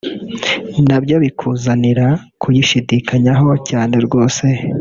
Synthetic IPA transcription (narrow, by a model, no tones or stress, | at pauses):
nabɟo̞βikʰuzaniɾa | kujiʃidikʰaɲaɦo̞caːne̞ɾɡo̞ːse̞